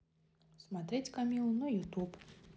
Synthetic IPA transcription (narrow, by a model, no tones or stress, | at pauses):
smat̪ɾɛt͡sʲkamʲilˠnɔjut̪up